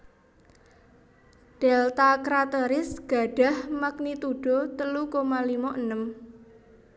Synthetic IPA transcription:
d̥ɛlt̪akɾat̪eɾɪsɡ̥a̤ɖ̥a̤hmak̚nit̪uɖ̥ɔ̤t̪əlukomalimɔʔənəm

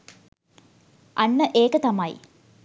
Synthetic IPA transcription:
ʔɐnːəʔeːkət̪ɐmaj

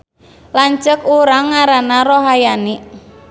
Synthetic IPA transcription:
laɲt͡ʃəkuɾaŋːaɾanaroɦajani

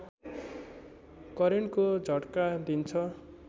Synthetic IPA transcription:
kʌɾenkod͡zʱʌʈkad̪int͡sʰʌ

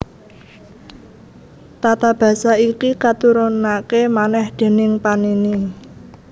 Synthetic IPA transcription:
t̪at̪ab̥ä̤saikikat̪uɾonakemanɛhd̪̥e̤nɪŋpanini

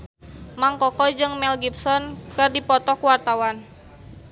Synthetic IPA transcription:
maŋkɔkɔd͡ʒɨŋmɛlɡipsɔnkɨrdipɔt̪ɔkwart̪awan

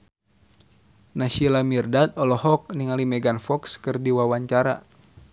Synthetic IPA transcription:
naʃilamirdat̪̚ɔlɔɦɔk̚niŋalimɛɡanfɔkskɨrdiwawaɲt͡ʃaɾa̰

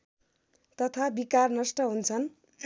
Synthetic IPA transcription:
t̪ʌt̪ʰabikarnʌsʈʌɦunt͡sʰʌn

